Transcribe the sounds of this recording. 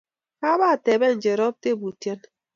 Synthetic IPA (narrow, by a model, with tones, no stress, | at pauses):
ka˦βa˦˨tɛ˨bɛ˦˨n˨d͡ʒe˨ɾɔ˦b̚te˦˨bu˨tje˦n